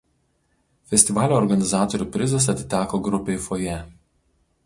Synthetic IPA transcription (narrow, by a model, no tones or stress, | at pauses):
fʲɛsʲt̪ʲɪʋɑːlʲoːɔɾɡɐnʲɪzɑːt̪ɔɾʲuˑpʲɾʲɪzɐsɐt̪ʲɪ̥t̪ʲæːkoːɡɾʊpʲeɪfoːjɛ